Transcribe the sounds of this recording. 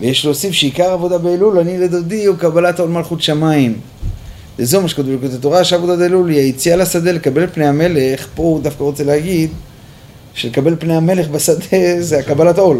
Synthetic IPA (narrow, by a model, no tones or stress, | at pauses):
vejeʃloosifʃeikaʁavo̞d̪abeːlulaniled̪od̪iukabalato̞lmalχut̪ʃamaim | vezeumaʃkot̪uvlkot̪at̪oʁaʃeavo̞d̪adeeluliait͡sialasad̪elekabe̞lpne̞jame̞le̞χpo̞d̪afkaʁo̞t͡seleaɡid̪ | ʃelekabe̞lpnejame̞le̞χbasad̪e̞zeakabalato̞l